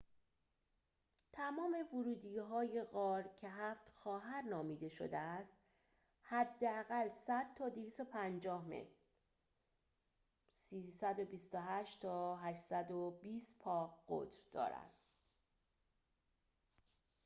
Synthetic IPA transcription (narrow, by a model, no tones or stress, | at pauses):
t̪ʰæmɒːme̞voɾuːd̪iɦɒːje̞ɣɒːɾcʰe̞ɦæːft̪xɒːɦæɾnɒːmiːd̪e̞ʃo̞̰d̪eæst̪ | hæd̪ːeæɣælsæd̪̥̚t̪ʰɒːd̪iviːst̪o̞pʰænd͡ʒɒːhmḛ | siːsæd̪obist̪oɦæʃt̪ʰɒːɦæʃsæd̪obiːst̪pʰɒːɣɢo̰d̪ɾd̪̥ɒ̰ːɾæ̰nd̪̥